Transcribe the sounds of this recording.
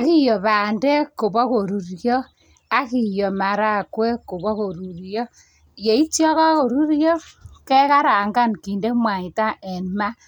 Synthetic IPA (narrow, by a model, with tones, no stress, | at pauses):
a˨ki˦jɔ˨βaː˨ndɛ˦ko˨bɔ˦ko˨ɾu˨ɾjɔ˦ | a˨ki˨jo˨ma˨ɾa˦kwɛ˦ko˨βɔ˦ko˨ɾu˨ɾjɔ˦ | je˨i˦tjɔ˦ka˦ko˨ɾu˦ɾjɔ˦kɛ˦ka˦ɾa˨ŋɡa˦nki˨nde˦mwa˨i˨ta˦ʔɛ˨nma˦